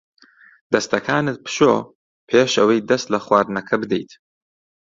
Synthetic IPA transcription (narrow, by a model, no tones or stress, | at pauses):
d̪ɐst̪ɐkʰaːnɨt̪̚pʰɨ̥ʃo̰ː | pʰeːʃɐwɐjd̪ɐst̪lɐχwaːɾnɐkʰɐbɨd̪ḛjt̪